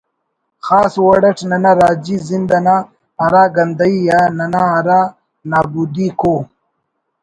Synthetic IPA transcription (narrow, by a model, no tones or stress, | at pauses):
xaːswɐɽɐʈnɐnaɾaːd͡ʑizind̪ɐna | ɐɾaːɡɐnd̪ajjananaaɾa | naːbud̪iko